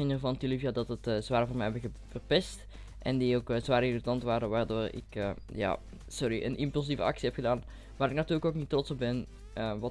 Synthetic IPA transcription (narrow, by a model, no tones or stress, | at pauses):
ɪnərvɑntilivjadɑtətəzʋaːrəvʊːnmɛjɦɛbəɣə | fərpɛst | ʔɛndiokəzʋaːrɪritɑntʋaːɾəʋaːrdoːrɪ̰kəja̰ː | sɔɾiʔə̰nʔɪmpylˠs̬ivə̰ɑ̰ksiɦɛpxədaːn | ʋaːɾɪknɑtyːrləkoknitːrɔtsɔb̚bɛn | əʋɑ